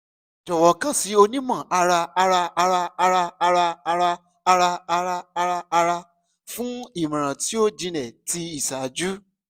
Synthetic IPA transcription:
d͡ʒɔ˨wɔ˨˦kã˦˨si˨˦o˧nĩ˦mã˦˨a˧ɾa˧a˧ɾa˧a˧ɾa˧a˧ɾa˧a˧ɾa˧a˧ɾaː˧ | ɾa˧a˧ɾa˧a˧ɾa˧a˧ɾa˧ | fũ˦i˦˨mĩ˨ɾ̃ã˨ti˨˦o˦˨d͡ʒĩ˧lɛ˨ti˧i˨sa˨d͡ʒu˦

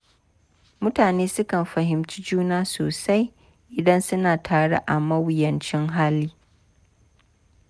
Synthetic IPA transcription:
mʊ˦taː˨neː˦sʊ˦kɐ˨mɸɐ˨ɦɪ˨mt͡ʃi˦d͡ʒuː˦naː˦soː˨sa˦j | ʔɪ˨dɐ˦nsʊ˦naː˨tʰaː˨ɽḛ˦ʔa˨mɐ˦wjɐ˨nt͡ʃɪ˦ŋɦaː˦liː˦

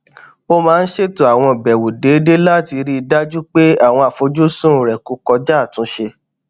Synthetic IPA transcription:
o˦mãː˨˦˧n̩˦ʃe˦˨to˨a˨w̃ɔ̃˧˨bɛ˨wu˨de˨˦de˦la˦˨ti˧ɾi˦˧da˦d͡ʒu˦k͡pe˦a˦˨w̃ɔ̃˧a˨fo˨˧d͡ʒu˦sũ˦˨ɾɛ˨ku˨˦kɔ˧d͡ʒa˦˨tũ˨˦ʃe˧

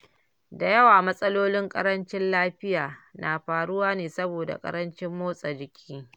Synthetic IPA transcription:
da˨jɐ˦waː˨mɐ˦sʼɐ˦loː˦lɪ˦ŋkʼɐ̰˦ɾɐ˦nt͡ʃɪ˦nlaː˦ɸɪ˦jaː˨nʔaː˨ɸaː˨ɽʊ˦waː˦neː˨sɐ˦boː˨da̰˨kʼɐ̰˦ɾɐ˦nt͡ʃɪ˦mːoː˦sʼa˨d͡ʒɪ˨kʲʰiː˦

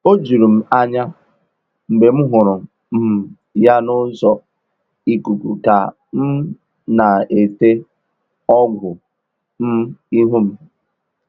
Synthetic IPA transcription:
o˦d͡ʒu˨ɾu˨m̩˨a˦ɲa˦ | m̩˨be˨m̩˦ɦʊ˨ɾʊ˨ | m̩˨ | ja˦nʊ˦zɔ˨ | i˨ku˨ku˨ka˨ | m̩˦ | na˨e˨te˦ | ɔ˦ɡʷʊ˨ | m̩˦i˦ɦu˦m̩˨

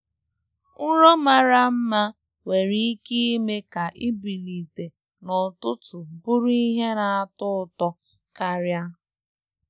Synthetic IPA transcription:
n̩˦ɾo˦ma˨ɾa˦m̩˦ma˦ | we˨ɾi˦ki˦i˦me˦ka˨ʔi˦bi˨li˨te˨ | nɔ˨tʊ˦tʊ˨bʊ˦ɾi˦i˦ɦe˦na˨a˦tʊ˦tɔ˦ | ka˦ɾja˦

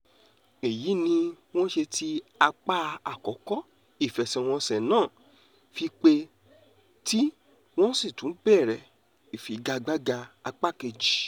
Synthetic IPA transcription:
e˨ji˨˦nĩ˧ | w̃ɔ̃˦ʃe˧tʰi˦a˧k͡pa˦a˨kɔ˨˦kɔ˦ | i˦˨fɛ˨sɛ˨w̃ɔ̃˧sɛ˨nãː˦˨ | fi˧k͡pe˧ | ti˦ | w̃ɔ̃˦si˦˨tũ˨˦bɛ˦˨ɾɛ˨ | i˨fi˨˦ɡa˧ɡ͡ba˦ɡa˧a˧k͡pa˦˨ke˧d͡ʒi˨

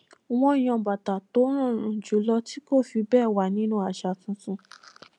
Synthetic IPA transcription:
w̃ɔ̃˧˦i˨j̃ɔ̃˧ba˨ta˨to˨˦ɾ̃ã˦˨ɾ̃ũ˨d͡ʒu˨˦lɔ˧ti˦ko˦˨fi˧bɛː˦˨wa˨nĩ˦nũ˧˦a˨ʃa˨˧tũ˧˦sũ˧

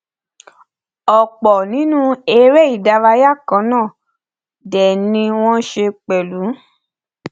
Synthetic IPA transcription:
ɔ˨k͡pɔ˨nĩ˨˦nũ˦e˧ɾɛ˦i˦˨da˧ɾa˧ja˦˨kã˨˦nãː˦˨ | dɛ˨nĩ˧w̃ɔ̃˦ʃe˧k͡pɛ˨lu˨˦

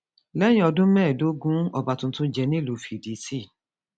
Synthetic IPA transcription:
lɛ˦j̃ĩ˦ɔ˧dũ˦mɛ̃ː˦˨do˨˦ɡũ˦ɔ˧ba˨˧tũ˧˦tũ˦d͡ʒɛ˧nĩ˦lu˨˦fi˨di˨˦si˦˨

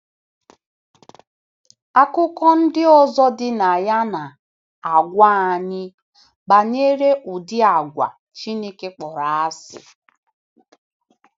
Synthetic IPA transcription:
a˦kʊ˦kɔ˦n̩˦dɪ˦ɔ˦zɔ˦dɪ˦na˨ja˦na˨ | a˨ɡʷa˦a˨ɲɪ˦ | ba˨ɲe˦ɾe˦ʔu˨dɪ˦a˨ɡʷa̰˨ | t͡ʃi˦ne˦ke˦k͡pɔ˨ɾa˨a˦sɪ̰˨

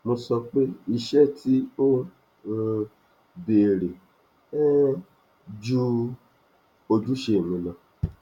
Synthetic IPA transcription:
mõ˧sɔ˧k͡pe˦i˦˧ʃɛ˦ti˦o˦˧ | be˨ɾe˨˦ | d͡ʒu˦ | o˧d͡ʒu˦ʃe˦˨mĩ˨˧˦lã˨

